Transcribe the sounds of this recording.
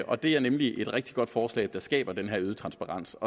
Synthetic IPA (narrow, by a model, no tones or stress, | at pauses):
ʔɒ̽d̥e̝æɐnemliʔe̝d̥ʁɛɡ̥̚d̥iɡ̥ɒ̽d̥fɒːslɛ̰ːɪd̥ɑ̈sɡ̥ɛ̰ːb̥ɐd̥enɦæɐ̰yð̞ˠt͡sʰʁɑ̈nsb̥ɑ̈ʁɑ̈n̰sɒ̽